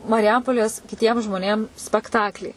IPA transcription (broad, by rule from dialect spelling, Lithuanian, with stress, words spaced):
mɐrʲɪˈjɛmpoːlʲeːs kʲɪˈtʲiɛm ʒmoːˈnʲeːm sʲpʲɛkˈtɑːklʲiː